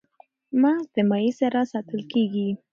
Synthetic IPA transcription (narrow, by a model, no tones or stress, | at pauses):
mɑd̪̥əmajisaɾasɑt̪əlkeɡi